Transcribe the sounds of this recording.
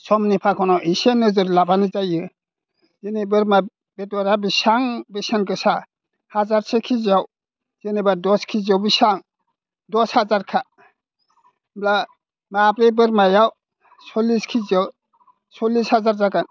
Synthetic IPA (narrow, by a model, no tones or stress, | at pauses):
sɔmnipʰakʰɔnɔʔisenɯzɯɾlabanizajɯ | zenibɯɾma | betɔɾabisaŋbesankɯsa | hazaɾsekʰizaw | z̥enebadɔskʰizawbisaŋ | dɔshazaɾkʰa | bla | maapɾejbɯɾmajaw | sɔliskʰizaw | sɔlishazaɾzaɡan